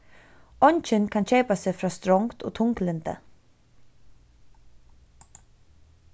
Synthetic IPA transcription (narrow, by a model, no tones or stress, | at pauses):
ɔnc͡çənkʰɑnc͡çeːpɑsefɾɑːst̪ɾɔŋt̪ʰo̰ːt̪ʰʊŋklɛnt̪ə̰